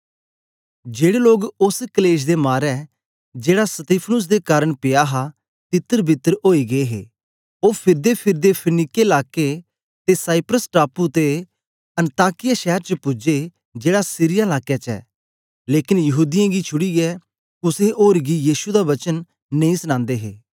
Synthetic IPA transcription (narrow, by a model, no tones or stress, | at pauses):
d͡ʒeːɽeloːɡʊskəleːʃ̬d̪emaːɾɛ | d͡ʒeːɽasət̪iːpʰnʊs̬d̪ekaːɾəɳ̃pɪjaːɦa | t̪ɪt̪ːəɾbʱɪt̪ːəɾoːiɡeeɦḛː | oːpʰɪɾd̪epʰɪɾd̪epʰənɪkːelaːke | t̪esaːɪpɾəsʈaːput̪e | ɐ̃nt̪aːkɪjaʃɛːɾt͡ʃəpʊd͡ʒe | d͡ʒeːɽasiːɾɪjaɪlaːkːjaːt͡ʃɛ̰ː | leːkɪnjɐɦuːd̪ɪjãːɡit͡ʃʰʊɽiɛ | kʊseʔoːɾɡijiːʃud̪aʋɐt͡ʃən | nɐĩːsnãːnd̪eːɦḛː